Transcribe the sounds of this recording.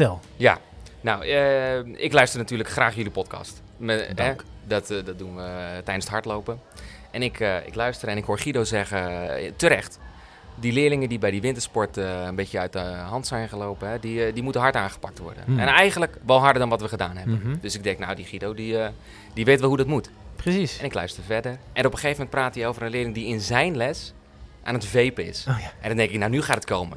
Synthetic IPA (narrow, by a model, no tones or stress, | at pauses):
ɛlˠ | ja̰ | nawəɪklœɥstərnatyːləkxraːxjølipɔtkʰɑ̰st | mɛdɔtdɔt̚dunʋətɛjdənsətɦɑɹtlowpə | ʔɛnɪkɪ̰klœɥstəɾɛnɪkɦoːχidowzɛɣətəɾɛxt | dilɪəlɪŋədibɛjdiʋɪntəɹspɔɹtəənbɪtjəœɥtəɦɑntsɛjnχəlowpəɦɛdidimutənɦɑɹtaːχə̥pɑk̚tʋɔ̰ɹdə̰nɛ̰nɛjɣənləkʋɔlˠɦɑɹdəɹdɔnʋɔtʋəχədaːnɦɛbəndøsɪɡ̚dɛŋknawdiχidowdi | diʋejtʋɛlˠɦudɔtmut | prəsisɛnɪklœɥstərvɛdərʔɛnɔpəxejvəmɛnt̚praːtiowvərə̃nlɪəlɪŋdiɪnzɛjnlɛs | ʔaːnətvejpəɪ̰sʔɛndɔndɛŋkɪknawnyχaːtətkowmə̰n